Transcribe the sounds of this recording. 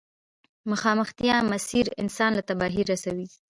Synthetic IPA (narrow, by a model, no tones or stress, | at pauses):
mʊxɑməxt̪ijamasiɾɪ̰nsɑnlat̪abɑɦiɾasawi